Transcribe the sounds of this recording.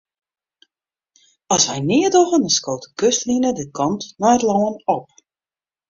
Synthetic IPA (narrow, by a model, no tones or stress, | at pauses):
ɔsʋɛjnɪədoɣəndənskoːtəkøstlinədɪkʰɔntnɔjətlɔːənɔp̚